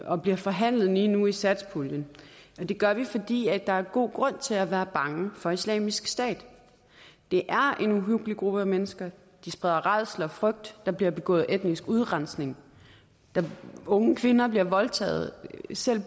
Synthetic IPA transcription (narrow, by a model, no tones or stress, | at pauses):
ɒ̽b̥liɐfɒ̽ɦæn̰lð̩ˠliːnuisæd̥spʰuljənɒ̽d̥e̝ɡ̥ɶɐʋifɒ̽d̥ḭːæ̥d̥ɑ̈æɐɡ̥o̝̰ːɡ̥ʁɔ̽n̰t͡sʰe̝læʋæːɐb̥ɑ̈ŋəfɒ̽islɛ̰ːmisɡ̥sd̥ɛ̰ːd̥ | d̥e̝ʔæɐʔe̝nuɦyɡ̥liɡ̥ʁub̥əæmenəsɡ̥ɐ | d̥isb̥ʁɛðˠɐʁɑð̰ˠslɒfʁœɡ̥̚d̥ːɑ̈b̥liɐb̥e̝ɡ̥ɔ̰̽ːð̩ˠʔed̥nisɡ̥uð̞ˠʁɑ̈nsne̝ŋ | d̥ɑ̈ɔ̽ŋəkʰʋe̝nɐb̥liɐʋɒ̽lt͡sʰɛ̰ːð̞̩ˠsel̰